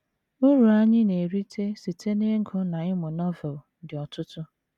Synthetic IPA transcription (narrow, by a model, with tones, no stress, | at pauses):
ʊ˦ɾu˨a˦ɲɪ˦ne˨ɾi˦tʰe˦si˨te˦ne˦ŋ̩˦kʰʊ˦na˨ɪ˦mʊ˨nɔ˦ve˨dɪ˨ɔ˨tʊ˦tʊ˦